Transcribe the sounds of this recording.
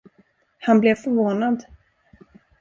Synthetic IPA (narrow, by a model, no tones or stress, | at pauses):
hanblɛvfœɾvoːnad̪